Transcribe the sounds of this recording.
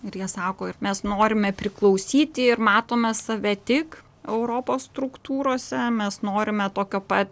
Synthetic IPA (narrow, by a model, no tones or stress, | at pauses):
ɪɾjiɛsɑːkoːɪrmʲɛsnoːɾʲɪmʲɛpʲɾʲɪklˠɒʊsʲiːt̪ʲɪɪrmɑːt̪oːmʲɛsɐʋʲɛt̪ʲɪk | ɛʊɾoːpoːsst̪ɾʊkt̪uːɾoːsʲɛmʲɛsnoːɾʲɪmʲɛt̪oːkʲoːpɐt̪ʲ